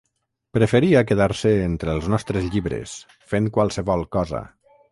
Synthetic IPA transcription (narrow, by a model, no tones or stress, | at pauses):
pɾəfəɾiak̬əðaɾsəent̪ɾəlˠznɔst̪ɾəzʎiβɾḛs | feŋkwalˠsəβɔlˠkɔzə̰